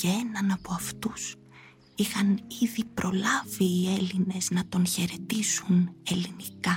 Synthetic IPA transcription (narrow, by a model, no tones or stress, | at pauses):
cee̞nɐnɐpoɐft̪us | ixɐniðipɾʔo̞lɐviːe̞line̞znɐt̪o̞nçe̞ɾe̞t̪isune̞linikɐ